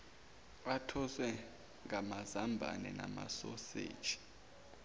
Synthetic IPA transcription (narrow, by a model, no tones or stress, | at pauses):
atʰɔswɛ | ŋʱamazambʱa̰nɛnamasɔsḛːd̥ʒ̥ʱi̥